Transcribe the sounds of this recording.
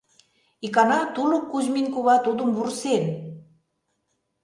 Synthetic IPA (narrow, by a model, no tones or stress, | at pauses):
ikɑnɑt̪ulukːuʑminkuβɑt̪ud̪əmβursen